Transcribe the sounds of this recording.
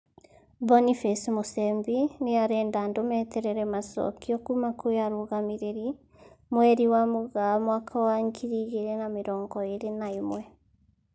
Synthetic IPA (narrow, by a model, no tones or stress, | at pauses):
bɔnifɛsmosɛmbineaɾɛːndandomɛtɛɾɛɾɛmasɔ̰kiɔkumakojaɾoːɣameɾeɾi | mwɛɾiwamoɣamwakʰawaŋkʰiɾiɣeɾɛnameɾɔːŋɡɔeɾenaemwɛ